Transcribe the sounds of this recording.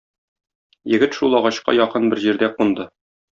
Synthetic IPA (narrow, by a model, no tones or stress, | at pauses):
jɘ̆ɡɘt̪ʃulˠɒʁɑɕqɑ̰jɒqɤnbɘɾʑiɾd̪æqund̪ɤ